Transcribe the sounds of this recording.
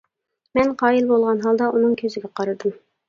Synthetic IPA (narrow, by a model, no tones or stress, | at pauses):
mɛnqɑːjilbolˠʁɑnɦɑlˠd̪ɑʔunɨŋkʲʰøzɪɡʲɛqʰɑɾɨd̪ɨm